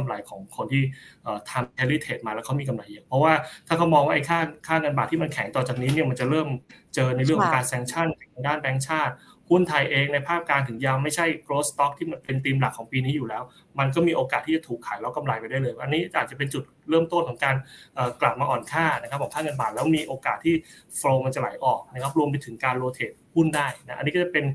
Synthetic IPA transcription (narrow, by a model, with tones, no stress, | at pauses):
ka˧mla˨˩˦jkʰɔː˩˦ŋkʰo˧nt̪ʰiː˥˩ʔəː˨˩t̪ʰa˧mkʰɛː˧li˦˥˩t̪ʰeː˨˩t̪̚maː˧lɛ˦˥wkʰmiː˧ka˧mla˧˩jʔa˨˩pʰɾɔ˦˥waː˥˩tʰaː˥˩kʰa˦˥wmɔː˧ŋwaː˥ʔjkʰaː˥˩kʰaː˥˩ŋɤ˧nbaː˨˩t̪ʰːiː˥ma˧nkʰɛ˨˩˦ŋt̪ɔː˨˩t͡ɕaː˨˩k̚niː˦˥ni˥˩ɐma˧nt͡ɕa˨˩ɾɤː˥˩mt͡ɕɤː˧na˧jɾɯ˥˩kʰɔ˦kaː˧nsɛː˧ŋt͡ɕʰa˥˩nkʰa˨˩t̪ʰa˧ŋdaː˥˩nbɛː˨˧˥ŋt͡ɕʰaː˥˩t̪̚ | hu˥˩nt̪ʰa˧jʔeː˧ŋna˧jpʰaː˥˩p̚kaː˧nt̪ʰɯ˩˦ŋjaː˧wma˥˩jt͡ɕʰa˥˩jkɾoː˦˥st̪ɔ˦˥k̚t̪ʰiː˥˩ma˧npe˧nt̪iː˧mla˨˩kʰːɔː˩˦ŋpiː˧niː˦˥juː˨˩lɛː˦˥w | ma˧nkɔː˥˩miː˧ʔoː˧kaː˨˩t̪ʰːiː˥˩t͡ɕa˨˩t̪ʰuː˨˩kʰːaː˩˦jlɛ˦˥wka˧mla˧jpa˧jda˥˩jlɤː˧jʔa˧nːiː˦˥ʔaː˨˩t̪̚t͡ɕa˨˩pe˧nt͡ɕu˨˩t̪̚ɾɤː˥˩mt̪o˥˩nk̪ʰɔ˩˦ŋkaː˧nʔɤː˨˩kla˨˩p̚maː˧ʔɔː˨˩nkʰaː˥˩na˥kʰa˦˥p̚ʰːɔː˨˦ŋkʰaː˥˩ŋɤ˧nbaː˨˩t̪̚lɛː˦˥miː˧ʔoː˧kaː˨˩t̪ʰːiː˥˩ | fɾoː˧ma˧nt͡ɕa˨˩la˩˦jʔɔː˨˩k̚na˥kʰa˦˥p̚ɾu˧əmp̬a˧jt̪ʰɯ˩˦ŋkaː˧nloː˧t̪ʰeː˨˩t̪̚hu˥˩ndaː˥˩jna˦˥a̰˧nːiː˦˥kɔ˥˩a˨˩pe˧n